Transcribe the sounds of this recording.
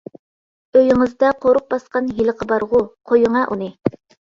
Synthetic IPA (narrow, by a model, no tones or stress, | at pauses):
øjyŋɨzd̪ɛqʰoɾʊq̚bɑsqɑnɦiləqʰɑbɑɾʁʊqʰojuŋɑʔunɨ